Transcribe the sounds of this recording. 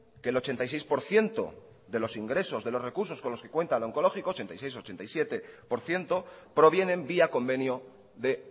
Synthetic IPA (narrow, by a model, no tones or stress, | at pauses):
ke̞ːlo̞t͡ʃe̞nt̪ajsejspo̞ɾθje̞nt̪o̞̰ | ðe̞lo̞siŋɡɾe̞so̞zðe̞lo̞re̞kuɾso̞sko̞nlo̞ske̞kwe̞nt̪aloŋko̞lo̞xikoːt͡ʃe̞nt̪a̰jsejso̞t͡ʃe̞nt̪ajsje̞t̪e̞po̞ɾθje̞nt̪o̞pɾo̞β̞je̞nẽ̞mbiako̞mbe̞njo | ðe̞